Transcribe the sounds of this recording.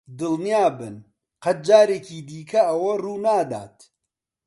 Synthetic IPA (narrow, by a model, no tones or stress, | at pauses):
d̪ɨlnijaːbɨn | qɐt̪̚d͡ʒaːɾeːkiːd̪iːkʰɐɐwɐruːnaːd̪a̰ːt̪